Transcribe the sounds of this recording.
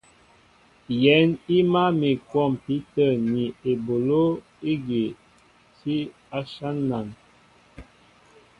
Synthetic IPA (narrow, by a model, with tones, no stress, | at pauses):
jɛ˨˦ni˦ma˦mi˨kwɔ˦˨mpi˨˦tə˦˨ni˨e˨bo˨lo˦ | i˦ɡe˨ | si˦ | a˦ʃa˦nːa˨n